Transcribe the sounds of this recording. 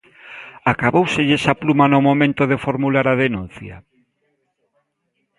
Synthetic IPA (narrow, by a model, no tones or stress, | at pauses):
akaβowseʎesaplumanomomẽnt̪oðefoɾmulaɾaðenũn̟θja̰